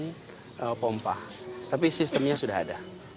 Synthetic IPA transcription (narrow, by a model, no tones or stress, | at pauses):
ʔəpompa̰ht̪apisist̪əmɲasudaɦa̰da